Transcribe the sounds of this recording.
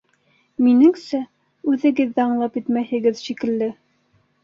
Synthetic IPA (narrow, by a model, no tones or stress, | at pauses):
minɘŋsæ | ʉðɘ̆ɡɘðːæɑɴlˠɑpjɘt̪mæhɘ̆ɡɘðʃikɘ̆lːɘ